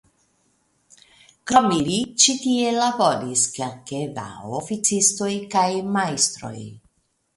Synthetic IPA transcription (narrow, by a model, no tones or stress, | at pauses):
kɾomilit͡ʃit̪ielabodiskelkeva̰ofit͡sist̪o̞jkajmajst̪ɾo̞̰j